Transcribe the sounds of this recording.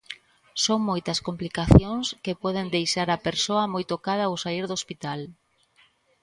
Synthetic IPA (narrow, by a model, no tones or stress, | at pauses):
soŋmojt̪ɐskomplikaθjoŋskepɔð̞end̪ejʃaɾapeɾsoɐmojt̪okað̞ɐwsaiɾðospit̪al